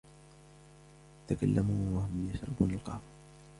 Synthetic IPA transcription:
t̪akalːamuːwahʊmjaʃɾˤɪ̰buːnalqɑ̰ːm

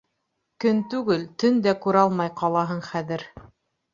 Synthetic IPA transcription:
kɵnt̪ʉɡɘlt̪ɵnd̪ækʉɾɑlˠmɑjqɑlˠɑɦɤɴχæðɘɾ

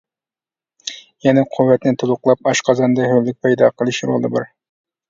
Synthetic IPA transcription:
jɛnɛqʰʊvːɛt̪nɪt̪ʰulˠʊqlˠɑp̚ɑʃqʰɑzɑnd̪ɑhølːɪk̚ʲpʰɑjd̪ɑqʰəlˠɨʃɾo̰lˠɨbɑ̰ɾ

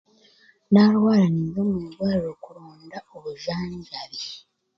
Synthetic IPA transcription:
nalwaːlanizomuudwaːliɾo̞kuɾoːndaoβuʒaːɲɟaβi

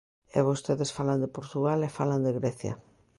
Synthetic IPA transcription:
ḛβost̪eðesfaland̪epoɾt̪uɣalefaland̪eɣɾɛθja̰

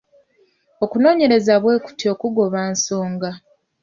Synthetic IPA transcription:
o̞kuno̞ːɲe̞ɾe̞zaβwe̞ːku̥tio̞kuɡo̞βaːnso̞ːŋɡa

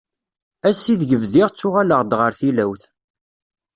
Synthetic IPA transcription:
æsːiðʝəvziʁt͡sːʊʁaləʁd̪ʁəɾθilæwθ

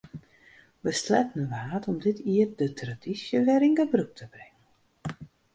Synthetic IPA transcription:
ʋəstlɛtnəʋaːtʰɔmdɪtʰiətdətʰradisjəʋɛɾinɡəbruk̚tʰəbrɪŋən

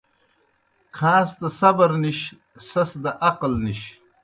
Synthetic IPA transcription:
kʰãːst̪ɐsɐbɐɾniɕ | sɐsd̪ɐʔɐqlniɕ

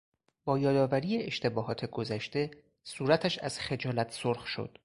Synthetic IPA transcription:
bɒːjɒːd̪ɒːvæɾiːjeeʃt̪ʰe̞bɒːɦɒːt̪ʰeɡozæʃt̪e̞ | suːɾæt̪ʰæʃæz̥xe̞d͡ʒɒːlæt̪ʰsoɾxʃo̰d̪̥

